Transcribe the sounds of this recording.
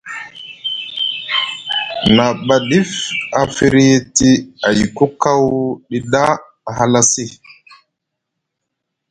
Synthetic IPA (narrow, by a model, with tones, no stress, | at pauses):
na˨ɓa˨ɗi˦fa˨fi˦ɾi˦ti˦a˨ji˨ku˦ka˦wɗi˦ɗa˦ | a˨ɦa˦la˦si˦˨